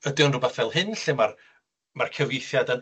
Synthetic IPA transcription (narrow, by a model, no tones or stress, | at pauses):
ədɪɔnrʊbaθvɛlˠhɨnɬɪmar | markʰɛvjɪjθjadən